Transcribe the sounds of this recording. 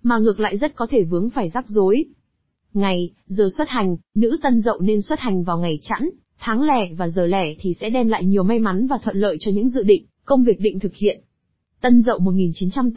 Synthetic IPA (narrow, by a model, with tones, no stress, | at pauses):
maː˨˩ŋɨ˨˩ək̚la̰ː˧˨jzə˦˥t̚kɔ˨˦t̪ʰe˧˩vɨ˨˦əŋfaː˧˩jzaː˦˥k̚zo˨˦j | ŋa˨˩j | zəː˨˩swə˦˥t̚ha˨˩jŋ̟nɨ̰˧˥t̪ə˧nzə̰˧˨wne˧nswə˦˥t̚ha˨˩jŋ̟vaː˨˩wŋa˨˩jt͡ɕa̰˧˥n | t̪ʰaː˨˦ŋlɛ˧˩vaː˨˩zəː˨˩lɛ˧˩t̪ʰi˨˩sɛ̰˧˥ɗɛ˧mla̰ː˧˨jɲi˨˩əwma˧jma˨˦nvaː˨˩t̪ʰwə̰˧˨nlə̰ː˧˨jt͡ɕɔ˧ɲɨ̰˧˥ŋzɨ̰˧˨ɗḭ̈˧˨ŋ̟ | kə˧wŋ͡mvi˨˩ək̚ɗḭ˧ŋ̟t̪ʰɨ˨˩k̚hḭ˧˨ən | t̪ə˧nzə̰˧˨wmo˨˩t̚ŋi˨˩nt͡ɕi˨˦nt͡ɕa˧m